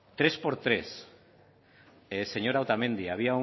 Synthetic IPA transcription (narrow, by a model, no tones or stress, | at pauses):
t̪ɾe̞spo̞ɾt̪ɾes | seɲo̞ɾawt̪amẽ̞nd̪iaβ̞iau